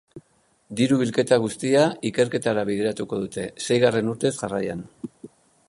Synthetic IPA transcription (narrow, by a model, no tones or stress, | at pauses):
d̪iɾuβilke̞t̪aɣ̞ust̪iaike̞ɾke̞t̪aɾaβ̞iðe̞ɾat̪uko̞ð̞ut̪e̞se̞jɣare̞nuɾt̪e̞zʝara̰ja̰n